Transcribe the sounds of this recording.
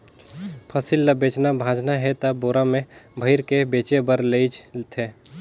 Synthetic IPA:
pʰəsilːəbeːt͡ʃnabʱãːd͡ʒnaɦɛt̪əboɾamẽbʱəɪɾkebeːt͡ʃebəɾleɪd͡ʒt̪ʰe

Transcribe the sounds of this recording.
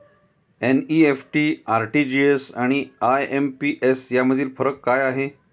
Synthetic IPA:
eniefʈiaɾʈid͡ʑiesaɽ̃iajempiʔesjaməd̪ʱiːlfəɾəkːajaɦe

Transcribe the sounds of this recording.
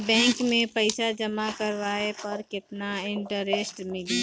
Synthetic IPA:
bɛ̃ːŋkmẽpəɪsad͡ʒɐmakəɾʋaːepəɾkɪt̪naɪ̃ɳʈəɾesʈmɪli

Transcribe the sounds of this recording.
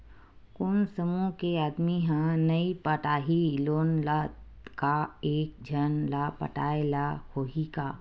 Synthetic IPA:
kʊnsəmũkeaːd̪miɦãnɐipəʈaːɦiloːnla | kaeːk̚d͡ʒʱənlapə̰ʈa̰ːelahoːɦikaː

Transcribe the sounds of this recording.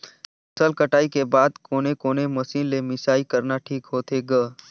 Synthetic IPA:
səlkəʈaːikebaːd̪koːnekoːnemɐsiːnlemɪsaːikɐɾnaʈʰiːkɦoːt̪ʰeɡə

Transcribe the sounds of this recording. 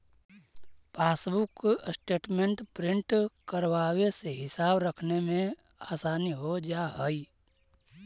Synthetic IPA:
paːsbʊksʈeːʈmẽɳʈpɾɪ̃ɳʈkəɾwaːweseɦɪsaːbɾəkʰnemẽ | aːsaːniɦod͡ʒaɦəi

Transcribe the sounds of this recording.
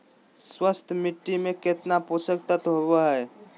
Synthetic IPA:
swəst̪ʰmɪʈːimẽket̪naposək̚t̪ət̪ɦobeɦɛ

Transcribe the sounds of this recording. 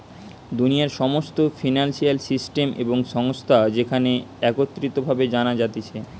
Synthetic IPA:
d̪unijaɾʃɔmost̪ofinanʃialsisʈemʔḛboŋʃɔŋost̪ʰad͡ʑekʰaneɛkot̪ːɾit̪obʱabed͡ʑanad͡ʑat̪et͡ɕʰe

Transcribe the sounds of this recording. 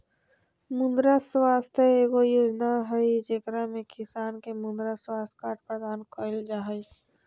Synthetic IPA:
mʊ̃nd̪ɾaswaːst̪əeːɡojoːd͡ʒnaɦəid͡ʒekɾamẽkʰɪsaːnkemʊ̃nd̪ɾaswaːst̪ʰkaːʈ̚pɾəd̪aːnkʰɔːɪld͡ʒaɦəi

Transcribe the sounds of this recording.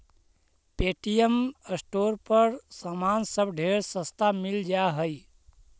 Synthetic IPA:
peʈijəməsʈoɾpəɾsamansəbɖʱeɾsə̃st̪ʰamild͡ʒaɦəj

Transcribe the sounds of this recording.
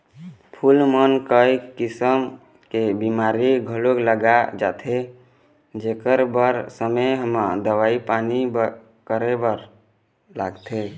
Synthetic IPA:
pʰulmənkəikisəm | kebimaɾiɡʱəlokləɡad͡ʒa̰t̪ʰe | d͡ʒekəɾbəɾsəmeɦəmad̪əʋaipanib | kəɾebəɾ | la̰ɡt̪ʰe

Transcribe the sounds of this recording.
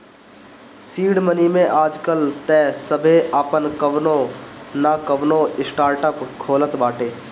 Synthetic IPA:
siːɽmənimẽʔaːd͡ʒkəlt̪ɛːsəbʱeʔaːpənkəʋnõnakəʋnõɪsʈaːɾʈəpkʰoːlət̪baːʈeː

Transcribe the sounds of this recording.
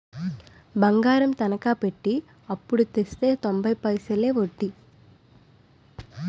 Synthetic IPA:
bɐŋɡaːɾɐmt̪ɐnɐkaːpeʈːi | ɐpːuɽut̪est̪e̞ːt̪ombɐjpɐjsɐleːʋoʈːi

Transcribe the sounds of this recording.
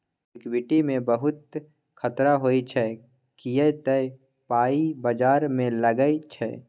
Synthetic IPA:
ɪkwɪʈimẽbəɦʊt̪̚ | kʰɐt̪ɾaɦoːit͡ʃʰɛ | kijɛt̪əe | paːibəd͡ʒaːɾmẽləɡəit͡ʃʰɛ̰

